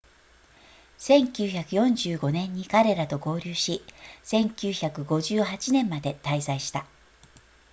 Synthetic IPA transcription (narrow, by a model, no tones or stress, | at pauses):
sẽ̞ŋkʲɨːçakɯ̟jõ̞ɲd͡ʑɨːɡo̞nẽ̞ɲ̟ːikaɾe̞ɾat̪o̞ɡo̞ːɾʲɨːɕisẽ̞ŋkʲɨːçakɯ̟ɡo̞ʑɨːɦat͡ɕinẽ̞mːad̪et̪aizaiɕi̥t̪a